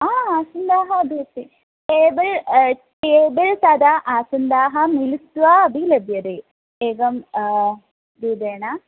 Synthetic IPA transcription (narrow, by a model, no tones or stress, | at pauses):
aːaːsɐnd̪aːɦɐɐbʱit̪ːi | eːbɐɭ | ʈeːbɐɭsaːd̪aːʔaːsɐnd̪aːɦɐmilit̪ːʋaɐbʱilɐbjɐɾe | eːɡɐm | d̪id̪eːɳa